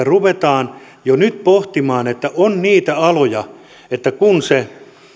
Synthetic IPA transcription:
æruʋet̪ɑːn | jonyt̪poht̪imɑːnet̪ːæʔonniːt̪æɑlojɑ | et̪ːækunse

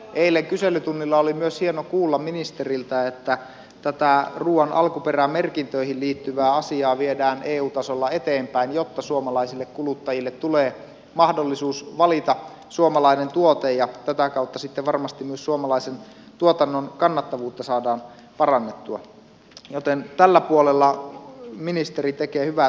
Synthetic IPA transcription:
ʔeilːeŋkyselːˑyt̪unːilːɑolimyøshienokuːlːɑmminist̪erilt̪æet̪ːæ | t̪æt̪æruːɑnʔɑ̰lkuperæmerkint̪øihilliːt̪ːyʋæːɑsiɑːʋiedæːnʔeːuːt̪ɑsolːɑe̞t̪eːmpæinjot̪ːɑsuomɑlɑisilːekkulut̪ːɑjilːet̪ːuleː | mɑhdolːisuːsʋɑlit̪ɑ | suomɑlɑinent̪uot̪ejjɑt̪æt̪ækɑˑut̪ːɑsit̪ːeʋʋɑrmɑst̪imyøssuomɑlɑisen | t̪uot̪ɑnːonkɑnːɑt̪ːɑʋuːt̪ːɑsɑːdɑːn | pɑrɑnːet̪ːuɑ̰ | jot̪ent̪ælːæpuolelːɑ | minist̪erit̪ekeːhyʋæ

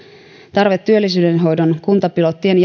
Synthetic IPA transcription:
t̪ɑrʋe̞t̪ːyølːisyːde̞nɦo̞jdonkunt̪ɑpilo̞t̪ːienj

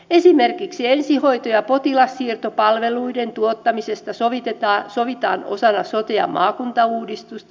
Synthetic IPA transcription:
esimerkiksiensiho̞it̪ojɑpot̪ilɑsːiːrt̪opɑlʋeluident̪uot̪ːɑmisest̪ɑsoʋit̪et̪ɑːsoʋit̪ɑ̰ːno̰sɑnɑsot̪eɑ̰mʔɑ̰ːkunt̪ɑuːdist̪ust̪

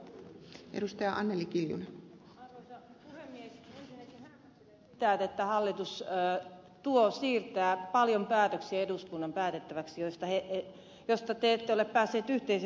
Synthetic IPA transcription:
ʔḛdust̪ɑjɑʔɑnːelikiljṵne | ɑrʋoisɑpuhemːiesensinːet̪ihæ | e | it̪æt̪et̪ːæhɑlːit̪usː | t̪uosiːrt̪æːpɑljompæːt̪øksieeduskunːɑmpæːt̪et̪ːæʋæksijost̪ɑhee | jost̪ɑt̪eet̪ːeoleppæːsːeːt̪yht̪eis

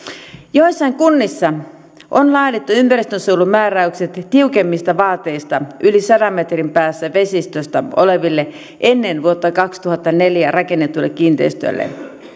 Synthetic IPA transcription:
joisːɑiŋkunːisːɑ | ʔonlɑːt̪et̪ːuympærist̪ønsuulummæːræykset̪t̪iukemːist̪ɑʋɑːt̪ːˑe̞ist̪ɑʔylisɑdɑmːet̪rimpæːsːæʋesist̪øst̪æo̰leʋilːe | ʔenːenʋuot̪ːɑkɑkst̪uhɑt̪ːɑneljærɑkenːet̪ːuilːekkiːnt̪eist̪y̰lːḛ

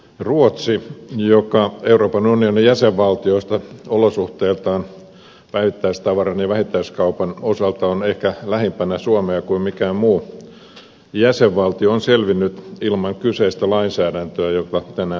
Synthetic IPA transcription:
ruot̪sijokɑeuroːpɑnunionijæseʋʋɑlt̪ioist̪ɑolosuht̪eːlt̪ɑːn | pæiʋit̪ːæist̪ɑʋɑrɑnjɑʋæhit̪ːæiskɑupɑnosɑlt̪ɑonehkælæhimpænæsuomeɑkuimmikæːmmuː | jæseʋʋɑlt̪ioonselʋinːyt̪ilmɑŋkyseist̪ælɑinsæːdænt̪øæjokɑt̪ænæ

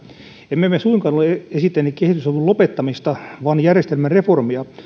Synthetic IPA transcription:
emmemesuiŋkɑːnoleeesit̪ːenːikkehit̪ysɑʋulopet̪ːɑmist̪ɑʋɑnjærjest̪elmænreformiɑ

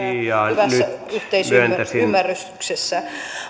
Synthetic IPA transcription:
ijɑyʋænsːyætyht̪eissyønt̪æsiymːæryst̪yksesːæ

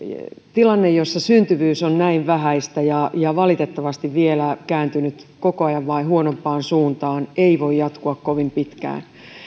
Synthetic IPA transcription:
t̪ilɑnːejjosːɑsynt̪yʋyːsonnæiʋʋæhæist̪æjɑjɑʋɑlit̪et̪ːɑʋɑst̪iʋʋielækæːnt̪ynyt̪kokoɑjɑʋʋɑihuonompɑːnsuːnt̪ɑːneiʋoijjɑt̪kuɑkkoʋimpit̪kæ̰ːn

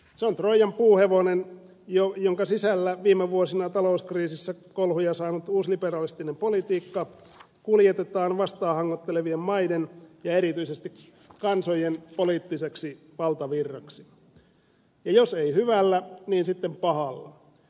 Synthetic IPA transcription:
seont̪roijɑmpuːheʋonen | jojoŋkɑsisælːæʋiːmeʋuosinɑt̪ɑlouskriːsisːækolhujɑsɑːnut̪uːsliperɑlist̪inempolit̪iːkːɑ | kuljet̪et̪ɑːnʋɑst̪ɑːhɑŋːot̪ːeleʋiemmɑidenjɑeɾit̪yisest̪ik | kɑnsojenpoliːt̪ːiseksi | ʋɑlt̪ɑʋirːɑksi | jɑjoseihyʋælːæniːnsit̪ːempɑhɑlːɑ̰

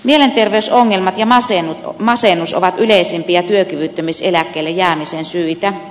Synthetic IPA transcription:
mielent̪erʋeysoŋːelmɑt̪jɑmɑsenut̪mɑsenːuso̰ʋɑt̪yleisimpijɑt̪yøkyʋyt̪ːømiselækːˑeːˑlːejæːmisensyit̪æ

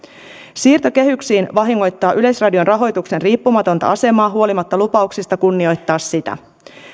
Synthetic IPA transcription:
siːrt̪o̞k̟e̞ɦyksiːnʋɑɦiŋːo̞jt̪ːɑːʔyle̞srɑdio̞nrʔɑɦo̞jt̪ukse̞nriːpːumɑt̪o̞nt̪ɑ̰ɑse̞mɑːɦuo̞limɑt̪ːɑlupɑuksist̪ɑkunːio̞jt̪ːɑːsːit̪æ̰

